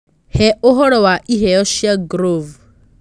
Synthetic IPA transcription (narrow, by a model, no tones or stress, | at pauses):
hɛɔɦɔɾɔwaʔiɦɛɔʃiaɡɾov